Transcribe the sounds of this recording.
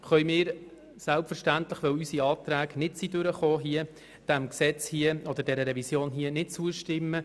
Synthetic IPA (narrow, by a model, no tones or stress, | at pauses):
χœjmɪːɾ | sælpfəɾʃtænt̪ləχʋœwysiɑːt̪ɾæːɡnɪtsidʏɾəχoːɦiə | d̥æmksɛt͡shiəɔd̪ədɛɾəɾɛvisjoːnɦiənɪt̚t͡suəʃtɪmːə